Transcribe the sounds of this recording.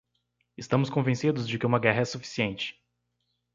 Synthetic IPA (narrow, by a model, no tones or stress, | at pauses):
ɪst̪ɐ̃mʊskõvẽsid̪ʊzd͡ʒɪkɪũmɐɡɛɦɐɛsufi̥siẽnt͡ʃɪ̥